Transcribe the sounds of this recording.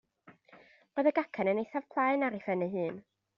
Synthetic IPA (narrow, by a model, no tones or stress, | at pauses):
ləðəɡakʰanənejθav̥pʰlˠaɨnaɾɪfɛnəɦɨːn